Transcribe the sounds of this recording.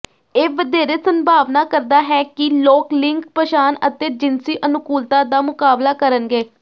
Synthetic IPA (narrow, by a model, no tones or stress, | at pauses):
eːʋəd̪eːɾeːsənbʱaːʋnaːkəɾd̪aːɦɛːkɪloːklɪ̃ŋk̚pəʃaːnət̪eːd͡ʒɪnsiːʔənʊkuːlt̪ãːd̪aːmʊkaːblaːkəɾənɡeː